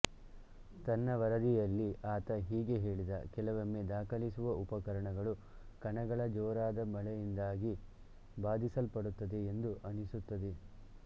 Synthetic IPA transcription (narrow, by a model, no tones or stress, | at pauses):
t̪ɐnːɐʋɐɾɐd̪ijɐlːiʔaːt̪ɐɦiːɡe̞ɦe̞ːɭid̪ɐkɛlɐʋɐmːed̪aːkʰɐlisuʋɐʔupɐkɐɾɐɳɐɡɐɭu | kɐɳɐɡɐɭɐd͡ʒɔːɾaːd̪ɐmɐlɛjind̪aːɡi | baːd̪ʱisɐlpɐɽut̪ːɐd̪eend̪uʔɐnisut̪ːɐd̪e